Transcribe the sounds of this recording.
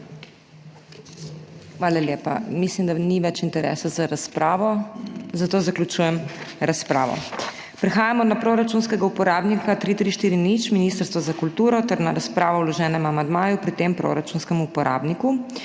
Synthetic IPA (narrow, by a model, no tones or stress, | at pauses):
xʋaːlaljeːpa̰mislimd̪aniʋɛt͡ʃint̪ɛɾɛ̰ːsazaɾaspɾaːʋɔzat̪oːzaklʲut͡ʃujɛmɾaspɾaːʋɔ̰ | pɾɛxaːjamɔnapɾoɾat͡ʃunskɛɡaupɔɾaːbnikat̪ɾit̪ɾiʃt̪iːɾinit͡ʃminist̪əɾst̪ʋazakult̪uːɾɔt̪ɛɾnaɾaspɾaːʋɔwlɔʒɛːnɛmamand̪maːjupɾit̪empɾo̰ɾat͡ʃunskɛmuupɔɾa̰ːbniku